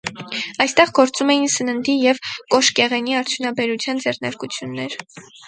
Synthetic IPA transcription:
ɑjst̪ɛʁɡɔɾt͡sumɛjinsənənd̪ijɛvkɔʃkɛʁɛniɑɾt͡sʰjunɑbɛɾut͡sʰjɑnd͡zɛrnɑɾkut͡sʰjunːɛɾ

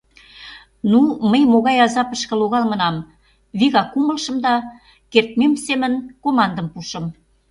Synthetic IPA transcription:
numəjmoɣɑjɑzɑpəʃkə̆loɣɑlmə̆nɑm | βiɣɑkːuməlʃə̆md̪ɑ | kert̪̚memsemənkomɑnd̪ə̆mpuʃə̆m

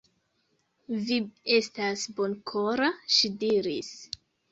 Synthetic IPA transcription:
vie̞stasbonkʰoɾaʃidiɾis

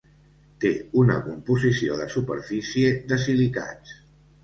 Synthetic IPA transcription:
t̪eunə̰kumpuzisio̰ðəsupəɾfisied̪əs̬ilika̰t͡s

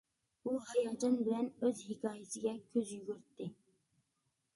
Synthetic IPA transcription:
b̥uhɑjɑlˠd͡ʒɑnbɪlɛnøzhikʲʰɑːjɪsɪɡʲɛkʲʰøzjyɡʲyɾt̪ːɪ

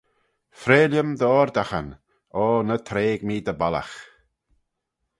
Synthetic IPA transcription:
fɾeːljəmd̪ɔːɾd̪axən | ɔːnət̪ʰɾeːɡmiːd̪əbala̰x

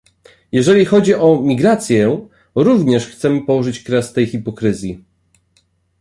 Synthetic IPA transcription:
jɛʐɛlʲixɔd͡ʑiʔɔmʲiɡɾat̪sʲjɛ | ɾuvɲɛʂxt̪sɛmɘpɔwɔʐɘt͡ɕkɾɛst̪ɛjxipɔkɾɘzʲji

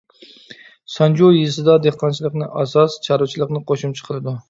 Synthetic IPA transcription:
sɑnd͡ʒojisɨd̪ɑd̪eχqʰɑnt͡ʃʰilˠəqnɨʔɑsɑst͡ʃʰɑɾut͡ʃʰilˠəqnɨqʰoʃumt͡ʃʰə̥qʰəlˠɨd̪u

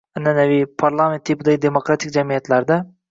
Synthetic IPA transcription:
anːanavipʰaɾlˠament̪ʰːipɪd̪aɡʲɪd̪emokɾat̪ʰik̚ʲd͡ʒamijat̪læɾd̪a

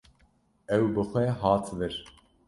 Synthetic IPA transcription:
ɛwbɨxʷɛɦɑːt̪ʰvɨɾ

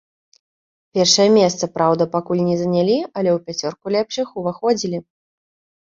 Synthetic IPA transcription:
pʲɛrʂɐjɐmʲɛst̪sɐpɾawd̪ɐpakulʲnʲɛzɐnʲalʲiɐlʲɛwpʲat͡sʲɔrkulʲɛpʂɨxuvaxɔd͡zʲilʲi

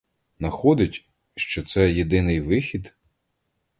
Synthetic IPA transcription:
nɐxɔd̪ɪtʲ | ʃt͡ʃɔt̪sɛjed̪ɪnɪjʋɪxʲid̪

